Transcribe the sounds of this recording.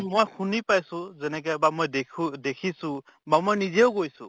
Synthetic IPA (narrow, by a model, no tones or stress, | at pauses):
mojxunipajsʊ̃zɛnɛk̬ɛbamojdekʰudekʰisʊ̃ | bamojnizɛʊɡojsʊ̰̃